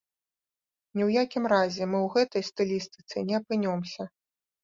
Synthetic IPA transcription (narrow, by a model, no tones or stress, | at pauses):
nʲiɛwjakʲimɾazʲɛmɨwɣɛt̪ɐjst̪ɔlʲist̪ɨ̥t̪sɨnʲɛɐpɨnʲɔmsʲɐ